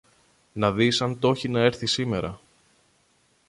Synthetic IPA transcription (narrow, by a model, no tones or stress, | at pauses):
nɐðisɐnt̪o̞çinɐe̞ɾθisime̞ɾɐ